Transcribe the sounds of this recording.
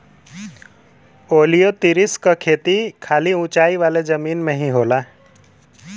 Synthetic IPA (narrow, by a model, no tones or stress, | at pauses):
oːlijot̪iɾɪskakʰeːt̪ikʰaːliũːt͡ʃaːiʋaːled͡ʒəmiːnmẽɦĩɦoːlaː